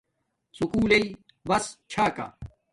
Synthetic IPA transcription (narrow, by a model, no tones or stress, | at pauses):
sukuːlei | bɐst͡ɕʰaːka̰